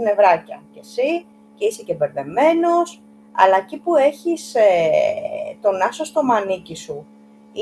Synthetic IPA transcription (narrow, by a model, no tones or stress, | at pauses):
ne̞vɾɐcɐce̞si | ce̞isecebe̞ɾðe̞me̞no̞s | ɐ̰lɐecipue̞çise | t̪o̞nɐsost̪o̞mɐnicisu | i